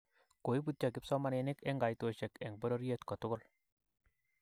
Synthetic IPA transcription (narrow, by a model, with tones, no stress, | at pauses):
ko˨i˦bu˦tt͡ʃa˨kɪ˦psɔ˦ma˦ne˨nɪ˦ke˦ŋɡa˨jto˨t͡ʃe˨kɛ˨ŋbo˦ɾo˦ɾje˦tkɔ˨tʊ˦kʊ˦l